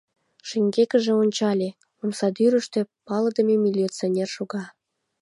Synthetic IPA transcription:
ʃeŋɡekəʒĕonʲt͡ɕɑlʲe | omsɑd̪yɾəʃt̪ĕpɑləd̪ə̆memilʲit͡sonʲerʃoɣɑ

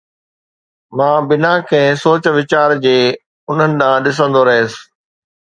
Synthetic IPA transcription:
mãːbɪnakʰẽːsoːt͡ɕʋɪt͡ɕaːɾd͡ʑeː | ʊn̤ənɪ̆ɗ̪ãːɗɪs̬ə̃nd̪oɾɐɦeːsɪ̥̆

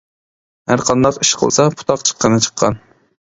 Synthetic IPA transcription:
hæɾqʰɑnd̪ɑqiʃqʰə̰lˠsɑpʰu̥t̪ʰɑqt͡ʃʰə̥qːənɨt͡ʃʰə̥qʰːɑ̰n

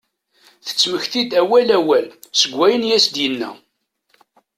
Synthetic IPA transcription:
θə̥t͡sːməçθid̪æwælæwælsəɡʷːæjənjæsd̪jənːæ̰

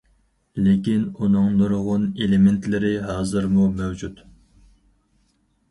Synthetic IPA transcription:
lekʲinunɨŋnuɾʁʊnelɪment̪ʰlɪɾɪɦɑːzɨɾmumæwd͡ʒut̪

